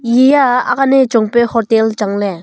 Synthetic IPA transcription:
jijaakanet͡ʃɔŋpehɔt̪elt͡ʃaŋle

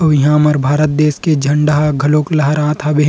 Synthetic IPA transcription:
ɐʋɪɦãːmɐɾbʱaːɾət̪̚d̪eːsked͡ʒʱɐ̃ɳɖaɦaɡʱɐloːklɐɦɐɾãːt̪ʰaːbeɦ

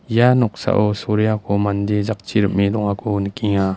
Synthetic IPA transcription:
janɔk̚sa̰ʔɔsoɾijakʰɔmandezak̚t͡ʃiɾəp̚milɔŋakʰonəkiŋa

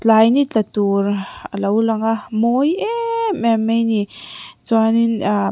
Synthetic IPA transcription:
t͡ɬajnit͡ɬat̪uɾalowlaŋamojemɛmejnit͡swanina

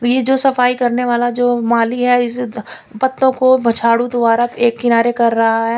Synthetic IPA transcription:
jed͡ʒoːsɐfaːikɐɾneʋaːlad͡ʒoːmaːliɦɛɪs | pɐt̪ːõkobʱɐt͡ʃʰaːɽud̪ʊbaːɾaeːkːɪnaːɾekɐɾːɐɦaɦɛː

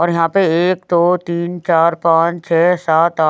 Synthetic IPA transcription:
ɔːɾjɐɦãːpeeːkd̪oːt̪iːnt͡ʃaːɾpãːt͡ʃt͡ʃʰɛːsaːt̪a

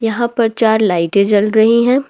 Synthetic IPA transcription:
jɐɦãpɐɾt͡ʃaːɾlaːɪʈet͡ʃɐlɾɐɦiɦɛ̃ː

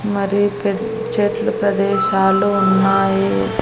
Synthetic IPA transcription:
mɐɾipe | t͡ʃeːʈlɐpɾɐd̪ɛːʃaːluunːaːji

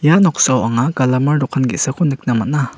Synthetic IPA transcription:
janɔk̚sawaŋaɡalɐmaɾdɔkʰanɡitsakʰɔnɯk̚namɐna

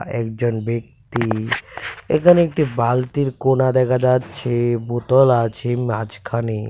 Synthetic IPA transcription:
ɛkd͡ʑonbek̚t̪i | ḛkʰaneekʈibalt̪iɾkonad̪ɛkʰad͡ʑatːɕʰebot̪ɔlat͡ɕʰemad͡ʑkʰani

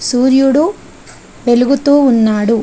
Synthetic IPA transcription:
suːɾjuɽu | ʋe̞luɡut̪uːnːaːɽu

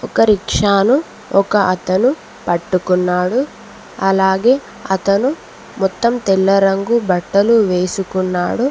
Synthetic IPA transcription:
ɔkɐɾikʂaːnu | ɔkɐʔɐt̪ɐnu | pɐʈːukunːaːɽu | ɐlaːɡe̞ː | ɐt̪ɐnu | mɔt̪ːɐmt̪ɛlːɐɾɐŋɡubɐʈːɐluʋeːsukunːaːɽu

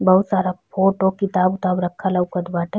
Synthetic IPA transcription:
bɐɦut̪saːɾapʰoːʈokɪt̪aːbʊt̪aːbɾɐkʰːalaʊkəd̪baːʈə

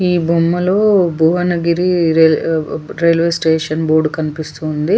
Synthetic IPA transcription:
iːbʱumːɐlo̞ːbʱuːʋɐnɐɡiɾiɾeɾeːlʋesʈeːʂɐnboːɾɖukɐnipist̪und̪i

